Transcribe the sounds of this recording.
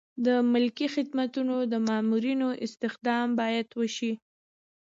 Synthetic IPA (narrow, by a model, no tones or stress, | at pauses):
d̪əmʊlkixɪd̪mat̪unod̪əmɑmuɾinoʔɪst̪ɪxd̪ɑmbɑjad̪wəʃi